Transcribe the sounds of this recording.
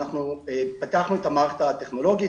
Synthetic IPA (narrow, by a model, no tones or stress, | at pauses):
aχnuepat̪eaχnuet̪amaʁt̪at̪e̞χno̞lo̞ɡi